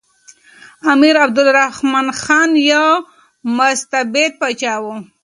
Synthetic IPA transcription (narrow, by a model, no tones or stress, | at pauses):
amiɾabd̪ʊlɾahmanxɑnjaw | mʊst̪abed̪̚pat͡ʃɑwu